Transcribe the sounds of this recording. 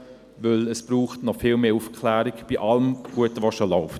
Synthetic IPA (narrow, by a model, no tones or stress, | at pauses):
ʋɵləsb̥ɾuːχtnɔfɪːlmeːufkʰlæːɾikb̥iʔɑləmɡ̥uətʋɑʃolɔʊft